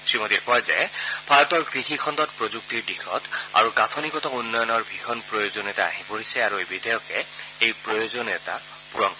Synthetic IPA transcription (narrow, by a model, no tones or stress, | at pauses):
simotikɔjzɛ̰pʰaɹɔtɔɹkɹixikʰɔndɔtpɹozuk̚tiɹdixɔta̰ɹuɡatʰɔnikɔtɔunːɔjɔnɔɹbʱixɔnpɹojozɔnɛtaa̰ɦipoɹisɛaɹuejbidɛjɔkɛ | ejpɹɔjozɔnɛta̰ | puɹɔnkɔ